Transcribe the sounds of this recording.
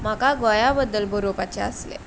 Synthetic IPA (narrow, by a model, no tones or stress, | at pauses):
m̤akaɡɔjabəd̪ːəlbʱəɾopat͡ɕea̰slḛ